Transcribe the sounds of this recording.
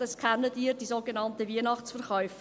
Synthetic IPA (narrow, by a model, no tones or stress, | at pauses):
ɑskχɛnːədiːɾdizoɡenɑntəviənɑχt͡sfəɾχœʏf